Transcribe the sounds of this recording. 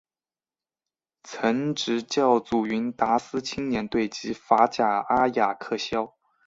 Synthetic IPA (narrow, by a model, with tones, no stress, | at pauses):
t͡sʰə˧˥ŋʈ͡ʂɻ̩˨˥t͡ɕjɑ˥˩ʊt͡su˨˩y˧˥nt̪a˧˥sɹ̩˥t͡ɕʰi˥ŋnjɛ˧˥nt̪we˥˩ɪt͡ɕi˧˥fa˧˥t͡ɕja˨˩a˥ja˨˩kʰɤ˥˩ɕjɑ˥ʊ